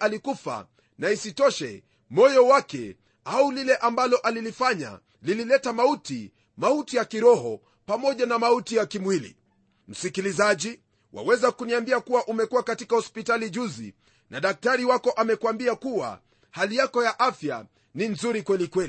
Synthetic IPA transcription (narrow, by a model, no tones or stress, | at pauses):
alikufa̰ | naisitɔʃɛ̰ | mɔjɔwakɛ̰ | aulilɛʔambalɔʔalilifaɲa̰ | lililɛtamauti | mautijakiɾɔhɔ | pamɔʄanamautijakimwilḭ | m̩sikilizaʄi | wa̰wɛzakuniambiakuwaʔumɛkuwakatikahɔspitaliʄuzḭ | naɗak̚taɾiwakɔʔamɛkwambiakuwa̰ | halijakɔjaʔafja̰ | ninzuɾikwɛlikwɛli